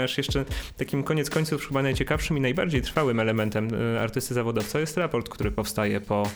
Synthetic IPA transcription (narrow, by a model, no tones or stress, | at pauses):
aʂjɛʂt͡ʂɛt̪akʲimkɔɲɛt̪skɔɲt̪sufpʂbanajt͡ɕɛkafʂɘminajba̰ɾd͡ʑejt̪ɾfawɘmɛlɛmɛnt̪ɛma̰ɾt̪ɘst̪ɘzavɔd̪ɔft̪sɔjɛst̪ɾapɔɾt̪kt̪uɾɘpɔfst̪ajɛpɔ